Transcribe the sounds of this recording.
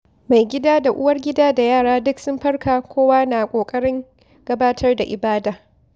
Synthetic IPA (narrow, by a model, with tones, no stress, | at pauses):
ma˨jɡʲɪ˦daː˦da˨ʔʊ˦wɐ˦rɡʲɪ˦daː˦da˨jaː˦˨ɽaː˦dʊ˦ksʊ˦mɸɐ˦rkaː˨kʷoː˦waː˦naː˨kʷʼoː˨kʼɐ˦ɽɪ˦ŋ | ɡ̥ɐ˦baː˦tʰɐ˦rda˨ʔɪ˨baː˦daː˨